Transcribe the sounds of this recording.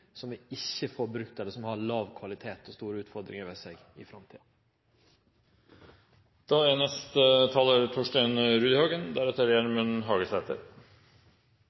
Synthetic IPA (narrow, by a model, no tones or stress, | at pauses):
sɔmɛɪçːəfɔɾbɾʉkt̪ɛləsɔmhɑɾɭɑːʋkʰʋɑlɪt̪ʰeːt̪ɔst̪uːɾəʉːt̪fɔɾd̪ɾɪ̰ŋəɾʋeːseɡ | ɪfɾɑmt̪ʰḭːɑ | d̪̥ɑːænɛst̪ət̪ʰɑːləɾt̪ʰɔʂʈæɪnɾʉːd̪ɪhɑːɡənd̪æɾɛt̪əɾjæɾmʉnɦɑːɡəsæːt̪ʰə̰ɾ